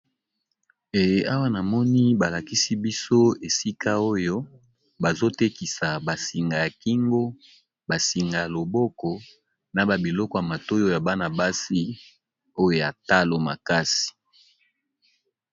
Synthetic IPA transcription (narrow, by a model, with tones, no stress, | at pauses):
e˨je˦a˦wa˦na˨mɔ˦ni˦ba˨la˨ki˦si˦bi˦so˦e˨si˦ka˦o˦jo˦ | ba˨zo˦te˦ki˨sa˨ba˨si˨ŋɡa˨ja˨ki˦ŋɡo˦ | ba˨si˨ŋɡa˨ja˨lo˨bɔ˦kɔ˨ | na˨ba˨bi˨lɔ˦kɔ˨ja˨ma˨to˦jo˦ja˨ba˦na˨ba˦si˦ | o˦jo˦ja˨ta˦lo˨ma̰˨ka˦si̥˨